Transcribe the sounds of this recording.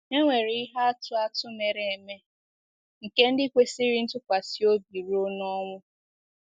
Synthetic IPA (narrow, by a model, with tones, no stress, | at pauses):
e˦ŋʷe˨ɾi˦ɪ˦ɦa˦a˦tʊ˦a˦tʊ˦me˨ɾe˨e˨me˦ | ŋ̩˨ke˦n̩˦dɪ˦kʷe˦si˦ɾi˦n̩˦tʊ˦kʷa˨si˦o˦bi˨ɾo˦nɔ˦ŋʷʊ˦